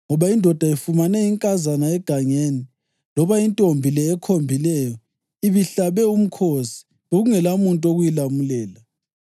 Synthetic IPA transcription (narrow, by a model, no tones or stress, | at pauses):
ŋɔβaindʱɔd̥ʱaifumanɛiŋkʼazanaɛɡ̥ʱaɲeni | lɔβaintʼombʱilɛːkʰombʱilɛjɔ | iβiɬaβɛum̩kʰosi̥ | βoɣuŋɛlamuntʼoɣujilamulɛːla